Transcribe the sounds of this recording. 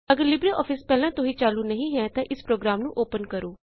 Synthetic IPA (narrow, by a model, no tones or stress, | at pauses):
əɡəɾlɪbɾeːʔɔːfʰɪspɛːlãːt̪ʊɦĩːt͡ʃaːluːnəɦĩːɦɛ̃ːt̪ãːʔɪspɾoːɡɾaːmnũːʔoːpənkəɾoː